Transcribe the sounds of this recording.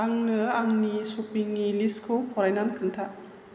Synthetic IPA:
aŋnɯaŋnisupiŋːiliskʰopʰɔɾajnankʰɯnt̪ʰaʔ

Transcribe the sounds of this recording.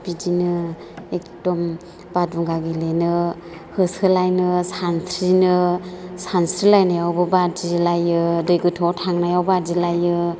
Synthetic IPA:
bidinɯ | ekdɔm | b̥aduŋɡaɡelenɯ | hɯsɯlajnɯsantʰɾinɯsansʰɾilajnajawbɯbadilajɯdɯjɡɯtʰɔtʰaŋnajawbadilajɯ

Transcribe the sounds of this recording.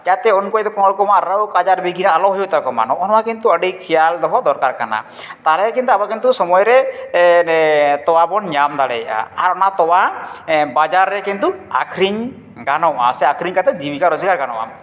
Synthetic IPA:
d͡ʒat̪ɛɔnkɔjd̪ɔkɔ̃ŋlɔkɔmaɾawkad͡ʒaɾbiɡinalɔɦɔjut̪akɔma̰nɔʔɔnɔwakint̪uəɖikʰijald̪ɔɦɔd̪ɔɾkaɾkana̰ | t̪alɛkint̪uabakint̪usɔmɔjɾɛ | t̪ɔwabɔnɲamd̪alɛ̰ja̰aɾɔnat̪ɔwabad͡ʒaɾːɛkint̪ua̰kʰɾiɲ | ɡanɔa̰sɛakʰɾiɲkat̪ɛd̪ibikaɾɔd͡ʒɡaɾɡanɔ̰ʔa̰

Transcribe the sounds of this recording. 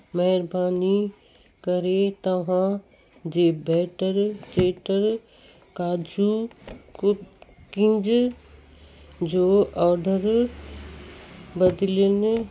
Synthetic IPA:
mɐɦɪɾbaːni | kɐɾet̪ɐʋ̤ã | d͡ʑeːbɛːʈəɾt͡ʃeːʈəɾ | kaːd͡ʒu | kɪ̃nd͡ʒ | d͡ʑoːɔːɖəɾ | bɐd̪ljənɪ

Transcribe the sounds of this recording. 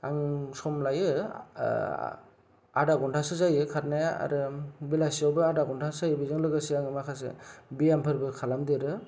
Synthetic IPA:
aŋsɔmlajɯ | adaɡɔntʰasɯzajɯkʰaɾnajaa̰ɾɯbilasiawbɯadaɡɔntʰasajɯbizɯŋlɯɡasiaŋɯmakʰas̬ɯ̰bijampʰɯɾbɯkʰalamdiɾɯ

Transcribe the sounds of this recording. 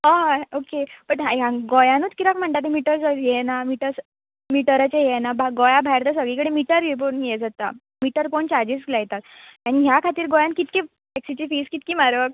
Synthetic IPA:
ɦaɦokepəʈɦajãɡojãnuːt͡skit̪akm̤əɳt̪at̪imiʈəɾd͡zəjɛnamiʈəɾs | miʈəɾat͡ɕejenabʱaɡojabʱajɾt̪əsəɡɭikəɽemiʈəɾep̬onjed͡zat̪a̰ | miʈəɾpoɳt͡ɕaɾd͡ʑisɡlajt̪at̪añiɦjakʰat̪iːɾɡojankit̪ki | ɛksit͡ɕifiːskit̪kiːmaɾʋək

